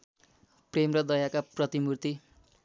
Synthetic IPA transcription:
premrʌd̪ʌjakaprʌt̪imurt̪i

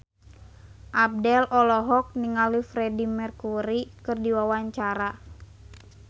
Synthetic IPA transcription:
ʔab̚dɛlʔɔlɔɦɔk̚niŋalifɾɛdimɛrkuɾikɨrdiwawaɲt͡ʃaɾa

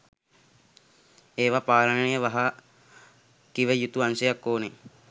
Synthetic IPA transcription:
eːʋapaːlənəəjəʋaɦa | kiʋəjut̪uansəjakːoːne

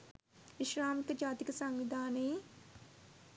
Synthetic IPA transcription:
ʋiʃɾaːmkəd͡ʒaːt̪ikəsaŋʋid̪ʱaːnəj

